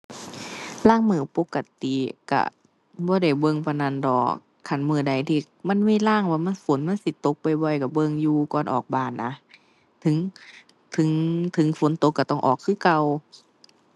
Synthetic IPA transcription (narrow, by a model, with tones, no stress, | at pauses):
laː˧˥˨ŋmɯː˧˩po˧˦kːa˧˨t̪i˨ka̰˧˩ | bɔː˧˦da˧˨˩jbɤ˧˨ŋpʰa˧˩na˧˩˨ndɔː˨˩ | kʰa˧˩nmɯː˧˩da˨˩jt̪ʰiː˧˩ | ma˧˥˨nmiː˧˥˨laː˧˥˩ŋwaː˧˩ma˧˥˨nfo˨˦nma˧˥˨nsi˧˦t̪o˧˦k̚pa˨jbɔ˧˩jka˧˩bɤ˧˨ŋjuː˧kɔː˧˨nʔɔ̰ː˨˩k̚baː˧˨˩nːa˧ | t̪ʰɯ˨˦ŋ | t̪ʰɯ˨˦ŋt̪ʰɯ˨˦ŋfo˨˦nt̪o˧˦kːa˧˩t̪ɔ˧˩ŋʔɔː˨˩kʰːɯː˧˨ka˧w